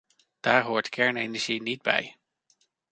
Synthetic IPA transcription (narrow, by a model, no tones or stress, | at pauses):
d̥aːɹɦoːɹtkʰɛɹnejnɛɹʒinid̚bɛ̰j